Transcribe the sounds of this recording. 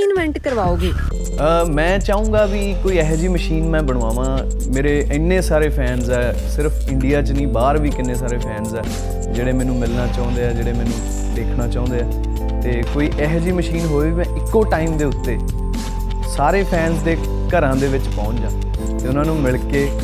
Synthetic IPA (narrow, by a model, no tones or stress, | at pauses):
ɪnʋɛ̃ɳʈkəɾʋaːoːɡiː | əmɛ̃ːt͡ʃaːũːɡaːʋiːkoːiːɛːɦd͡ʒiːməʃiːnmɛ̃ːbəɽ̃õːaːʋãː | meːɾeːʔɪnːẽːsaːɾeːpʰɛːnzɛː | sɪɾpʰɪɳɖijaːt͡ʃnĩːbaːɾʋiːkɪnːeːsaːɾeːpʰɛːnzɛː | d͡ʒeːɽeːmɛ̃ːnũːmɪlnaːt͡ʃaːʊ̃nd̪eːɛːd͡ʒeːɽeːmɛːnũː | d̪eːkʰnaːt͡ʃaːʊ̃nd̪eːɛː | t̪eːkoːiːʔɛɦd͡ʒiːməʃiːnɦoːeːiːmɛ̃ːʔɪkːoːʈaːiːmd̪eːʊt̪ːeː | saːɾeːpʰɛːnzd̪eː | kəɾãːd̪eːʋɪt͡ʃpɔ̃ːt͡ʃd͡ʒãː | t̪eːʊnãːnũːmɪɭkeː